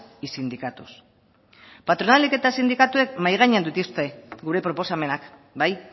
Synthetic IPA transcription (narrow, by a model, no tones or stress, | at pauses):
isind̪ikat̪us | pat̪ɾo̞naleke̞t̪asind̪ikat̪ue̞kmajɣ̞aɲeand̪ut̪ist̪e̞ɡuɾe̞pɾo̞po̞same̞nakbaj